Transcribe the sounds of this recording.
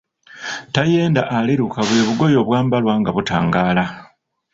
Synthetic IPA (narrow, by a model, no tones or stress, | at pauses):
taje̞ːndaʔaliɾukaβwe̞ːβuɡo̞jo̞βwaːmbalwaːŋɡaβuta̰ːŋɡaːla